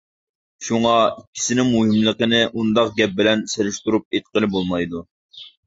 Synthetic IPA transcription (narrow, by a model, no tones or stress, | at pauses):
ʃuŋɑikʲːi̥sɪnɪŋmuɦɪmlˠəqənɪʔund̪ɑqɡʲɛp̚bɪlɛnseɾɪʃt̪uɾup̚et̪̚qəlˠɪbolˠmɑjd̪u